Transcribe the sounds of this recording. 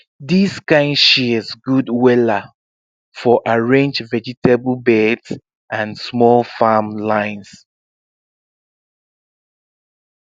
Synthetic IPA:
diskãɪ̃ndʃiəzɡudwɛla | fɔʔaɹẽnd͡ʒvɛd͡ʒitebl̩ˠbɛds | ãnsmɔlˠfamlãɪ̃ns

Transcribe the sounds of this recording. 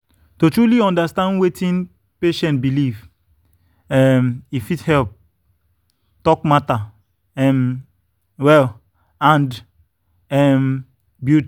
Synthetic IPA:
totɹuliɔ̃ndastãndwetĩn | peʃɛ̃nt̚biliv | ɛmifithɛlp̚ | tɔkmata | ɛm | wɛl | ãnd | ɛm | bjut

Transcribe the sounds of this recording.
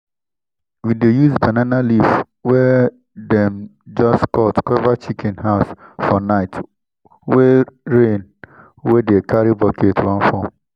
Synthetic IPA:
widejuzbananalif | wɛ | dɛmd͡ʒɔskɔtkɔvat͡ʃikʰɛ̃nɦaʊsfɔnaɪt | weɾẽn | wedekaɾibɔkʰetwãnfɔm

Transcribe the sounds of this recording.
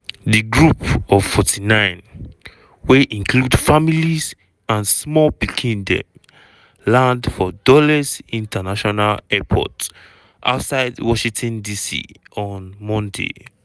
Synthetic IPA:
diɡɹupɔv̥fɔtinãɪ̃n | weʔĩŋkludfamiliz | ãnsmɔlpikʰĩndɛ̰̃m | lãndfɔdɔlazĩntʰanaʃɔnalɛpʰɔ̰t | ʔa̰ʊtsaɪdwɔʃĩŋtʰɔ̃ndisḭɔ̃nmɔ̃ndḛ

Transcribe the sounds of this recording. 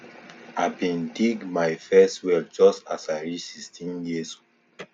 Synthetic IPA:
aɪbĩndiɡmaɪfɛstwɛld͡ʒɔstasaɹisistĩnjiso

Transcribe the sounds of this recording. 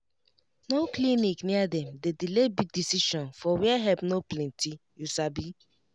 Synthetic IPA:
noklinikniadɛ̃mdedilebidisiʃɔ̃nfɔwiaɦɛvnoplɛ̃ntijusabi

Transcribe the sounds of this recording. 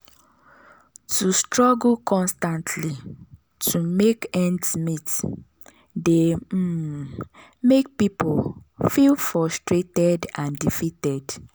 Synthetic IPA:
tʰustɹɔɡlkʰɔ̃nstãntʰli | tʰumekɛ̃ndsmit | de | mek̚pipolfilfɹɔstɹetɛdãndifitɛd

